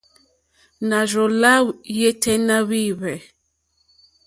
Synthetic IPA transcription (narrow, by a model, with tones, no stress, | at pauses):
na˨ʒɔ˨la˦je˦tʰɛ˦na˦wi˦βɛ˨